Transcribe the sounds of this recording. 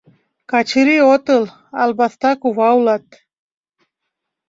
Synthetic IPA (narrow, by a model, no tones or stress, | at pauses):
kat͡ʃʰɨɾiot̪əl | a̰lbast̪akuvawlat̪̚